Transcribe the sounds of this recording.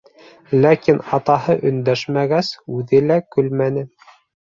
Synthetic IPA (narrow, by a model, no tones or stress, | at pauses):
lækinɑt̪ɑɦɤʔɵ̆nd̪æʃmæɡæsʉðɘlækɵlmænɘ